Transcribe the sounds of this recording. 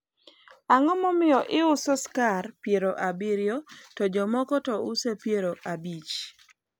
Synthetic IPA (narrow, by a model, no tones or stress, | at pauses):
aŋɔmɔmɪjɔʔɪʊsɔskarpjeɾoʔabiɾjɔtɔd͡ʒɔmɔkɔtɔʊsepjeɾoʔabit͡ʃ